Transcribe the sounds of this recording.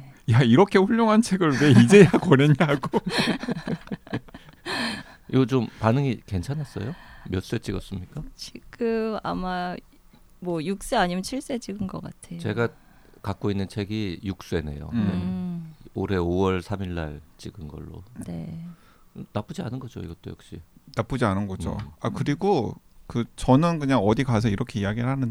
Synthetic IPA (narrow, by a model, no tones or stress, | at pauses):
jaiɾʌkʰe̞ɸuʎːjoŋɦant͡ɕʰe̞ɡɯɭwe̞id͡ʑe̞jakwʌneɲaɡo | iɡʌt͡ɕompanɯŋike̞nt͡ɕʰanas͈ʌ̰jomjʌs͈e̞t͡ɕ͈iɡʌs͈ɯmɲik͈at͡ɕʰiɡɯma̰ma | mwʌjuk̚s͈e̞aɲimjʌnt͡ɕʰiɭs͈e̞t͡ɕiɡɯnɡʌk͈atʰe̞t͡ɕe̞ɡa | kak͈̚oinːɯnt͡ɕʰe̞ɡijuk̚s͈e̞ne̞̰jo̰ne | oɾe̞owʌɭsʰamiɭːa̰ɭt͡ɕiɡɯnɡʌ̰ɭːo̰ne̞̰ | nap͈ud͡ʑia̰nɯnɡʌd͡ʑo̰ḭɡʌt͈o̰jʌ̰kɕ͈ḭnap͈ud͡ʑianɯnɡʌd͡ʑo̰akɯɾiɡokɯt͡ɕʌnɯnkɯɲaŋʌdikas̬ʰʌiɾʌkʰe̞ijaɡiɾɯɭhanɯn